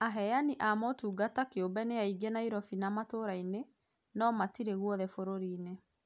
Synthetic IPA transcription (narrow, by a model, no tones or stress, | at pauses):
aɦɛjaniʔamɔtuːɡatakeombɛneaiɡenaiɾɔfinamatoɾaine | nɔmatiɾeɣwɔðɛfoɾoɾiːne